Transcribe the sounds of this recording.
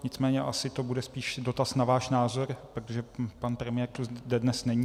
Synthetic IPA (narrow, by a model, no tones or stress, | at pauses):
ɲɪt͡smɛːɲɛʔasɪt̪obudɛspiːʃdo̞t̪asnavaːʃnaːzo̞ɾpɾot̪oʒɛpanpɾɛmɪjɛːɾt̪uzdɛdnɛsnɛɲiː